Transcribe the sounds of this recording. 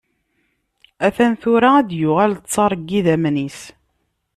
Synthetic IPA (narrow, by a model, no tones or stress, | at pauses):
æθænθʊɾææd̪jʊʁælt͡sːˤɑrˤɡːiðæmnis